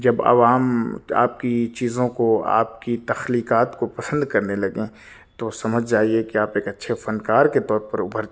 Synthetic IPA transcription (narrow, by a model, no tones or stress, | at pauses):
d͡ʒɐbɐ̰ʋaːma̰ːp̚kit͡ʃiːzõkoa̰ːp̚kit̪ɐxliːkaːt̪kopɐsə̃nd̪kɐɾnelɐɡẽ | t̪osɐməd͡ʒʱd͡ʒaːiekiaːpeːkɐtːʃʰefɐnkaːɾket̪ɔːɾpɐɾʊbʱəɾ